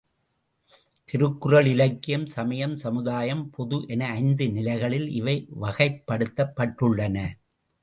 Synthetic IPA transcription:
t̪ɪɾɯkːɯrɐɭɪlɐɪkːɪjɐmsɐmɐjɐmsɐmɯðaːjɐmpʰɔðɯʔɛnɐɐɪnd̪ɯnɪlɐɪɣɐɭɪlɪ̰ʋɐɪʋɐɣɐɪpːɐɽɯt̪ːɐpːɐʈrɯɭːɐnɐ

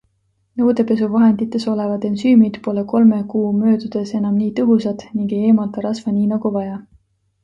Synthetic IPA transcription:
nɤwd̪e̞pe̞s̬uvɑɦe̞nd̪̥it̪ːˑe̞so̞levɑd̪̥e̞nsyːmid̪̥po̞le̞ko̞lme̞kuːmø̞ːd̪ud̪̥e̞se̞nɑmniːt̪ɤɦusɑd̪̥niŋɡe̞jeːmɑlt̪ɑɾɑsvɑniːnɑɡ̥uvɑjɑ

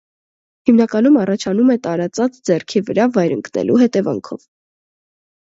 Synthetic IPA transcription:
himnɑkɑnumɑrɑt͡ʃʰɑnumɛt̪ɑɾɑt͡sɑt͡sd͡zɛrkʰivəɾɑvɑjɾə̰ŋknɛ̰lʔuɦɛt̪ɛvɑ̰ŋkʰɔ̰v

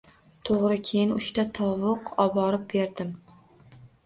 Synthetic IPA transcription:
t̪ʰoʁɾɪkʲʰejɪnʊ̰ʃt̪at̪ʰɒwʊqɒbɒɾɪp̚be̞ɾd̪ɪm

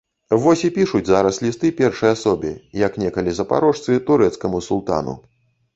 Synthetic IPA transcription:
vɔsʲipʲiʂud͡zʲzaɾɐslʲist̪ɨpʲɛrʂɐjasɔbʲḭjɐknʲɛkɐlʲizɐpa̰ɾɔʂt̪sɨt̪uɾɛt̪skɐmusulˠt̪a̰nṵ

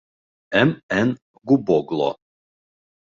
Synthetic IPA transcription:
ɛmɛn | ɡubɔɡlˠɔ̰

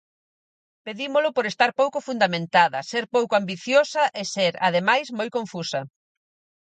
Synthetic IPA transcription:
peðimʊlʊpoɾest̪aɾpowkʊfund̪amẽnt̪aðɐ̰seɾpowkoambiθjosɐʔeseɾa̰ð̞emajzmojkõɱfusɐ

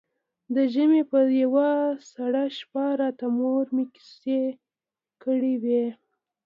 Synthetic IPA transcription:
d̪əʒəmepəjawasaɽaʃpɑɾɑt̪amoɾmiki̥se | kəɽiwe

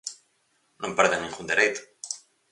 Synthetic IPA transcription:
nõmpeɾðeŋnĩŋɡund̪eɾejt̪o̥

